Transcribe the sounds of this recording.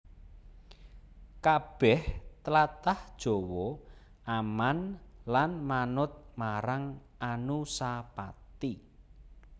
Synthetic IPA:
kab̥ɛht̪əlat̪ahd̥ʒ̥o̤wɔ | ʔamanlanmanʊt̪̚maɾaŋ | anusapat̪i

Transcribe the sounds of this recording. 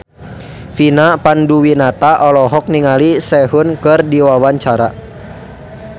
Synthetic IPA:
finapanduwinat̪aʔɔlɔɦɔk̚niŋalisɛɦʊnkɨrdiwawaɲt͡ʃaɾa̰

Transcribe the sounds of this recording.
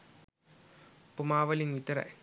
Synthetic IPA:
pumaːʋɐliŋʋit̪ːɐɾɐ̰

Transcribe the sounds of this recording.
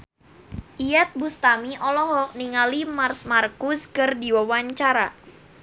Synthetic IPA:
ʔijɛt̪̚bust̪amiʔɔlɔɦɔk̚niŋalimarsmarkʊskɨrdiwawaɲt͡ʃaɾa

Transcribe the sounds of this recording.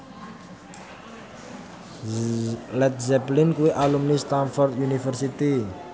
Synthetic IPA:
lɛt̪̚zɛplinkueʔalumnist̪anfɔrd̪junifɛrsit̪i

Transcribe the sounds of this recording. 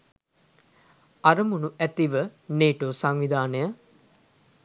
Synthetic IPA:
aɾəmunuʔæt̪iʋəneːʈoːsaŋʋid̪ʱaːnəjə

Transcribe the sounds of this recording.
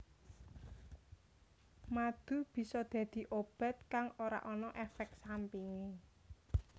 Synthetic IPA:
mad̪̥ṳb̥i̤sɔd̪̥a̤d̪̥i̤ʔob̥a̤t̪̚kaŋoɾa̰ʔɔnɔʔɛfɛk̪̚sampiŋe

